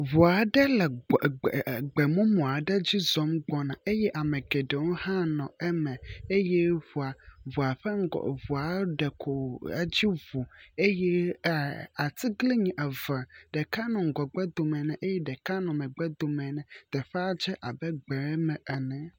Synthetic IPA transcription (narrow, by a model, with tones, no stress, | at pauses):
vu˨a˨ɖɛ˦lɛ˨ | ɡ͡bɛ˨mũ˦mũ˨a˨ɖɛ˦d͡ʑi˦zɔ˨˦mɡ͡bɔ˨nã˨e˦jɛ˦ʔa˨mɛ̃˨ɡɛ˨ɖɛ˨wo˦hã˦nɔ̃˨ɛ˦mɛ̃˨e˦jɛ˦ɸu˨a˨vu˨a˨ɸɛ̰˦˨βu˨a˨˦ɖɛ˨kʰo̰˨˦d͡ʑi˦vu˨e˦jɛ˦˨ | a˨t̪i˦ɡle˦ɲĩ˨ʔɛ˨vɛ˨ɖ̥ɛ˨ka˦nɔ̃˨ŋ̩˨ɡɔ˨ɡ͡bɛ˦d̪o˨mɛ̃˨nɛ̃˨ʔe˦jɛ˦ɖɛ˨ka˦nɔ̃˨mɛ̃˨ɡ͡bɛ˦d̪o˨mɛ̃˨nɛ̃˨d̪̥ɛ˨ɸɛ˦a˦d͡ʒɛ˦ʔa˨bɛ˦ɡ͡bɛ˨ɾɛ˦mɛ̃˨ʔɛ˨nɛ̃˨